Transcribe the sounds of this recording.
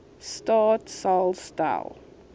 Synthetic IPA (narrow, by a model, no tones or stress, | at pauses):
stɑːtsalˠsta̰l